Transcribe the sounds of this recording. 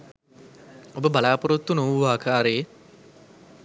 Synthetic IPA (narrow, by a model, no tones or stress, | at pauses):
obəbalaːpoɾut̪ːunoʋuaːkaːɾeje